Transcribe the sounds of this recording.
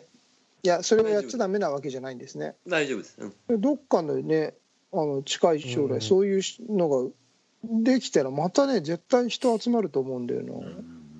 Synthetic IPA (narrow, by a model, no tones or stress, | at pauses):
jaso̞ɾe̞ajat͡ɕːad̪ame̞naβ̞ake̞ʑanaĩnd̪e̞sɨne̞̰aobjad̪o̞kːanone̞ | ano̞t͡ɕi̥kaiɕo̞ːɾaiso̞ːjɯ̟ːno̞ɡa | d̪e̞kʲi̥t̪aɾamat̪ane̞ze̞t̪ːaiçi̥t̪o̞at͡sɨmaɾɯ̟t̪o̞ːmo̞ɯ̟̃nd̪ḛjo̰no̰